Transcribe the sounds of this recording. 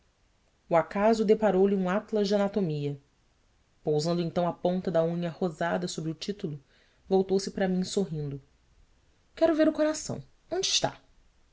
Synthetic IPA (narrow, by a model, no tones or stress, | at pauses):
uakazʊd̪epaɾowlɪũat̪lɐzd͡ʒɪanat̪omiɐ | powzɐ̃nd̪ʊẽt̪ɐ̃w̃ɐpõnt̪ɐd̪ɐũɲɐhozad̪ɐsobɾɪʊt͡ʃit̪ulʊ | vowt̪owsɪpɾɐmĩsoɦĩnd̪ʊ | kɛɾʊveɾʊkoɾasɐ̰̃w̃ | õnd͡ʒɪʃt̪a̰